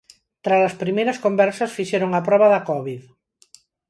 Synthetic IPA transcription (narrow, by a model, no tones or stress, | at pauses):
t̪ɾasaspɾimejɾɐskombɛɾsasfiʃɛɾoŋapɾɔβaðakɔβið